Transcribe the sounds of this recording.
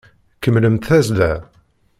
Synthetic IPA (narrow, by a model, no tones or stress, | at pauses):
kːəmləmt̪θæzlæ